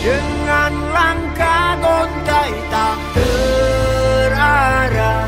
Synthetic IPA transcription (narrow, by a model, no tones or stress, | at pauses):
dəŋːanlaŋkadɔnt̪ajt̪aʔtə | ɾaɾa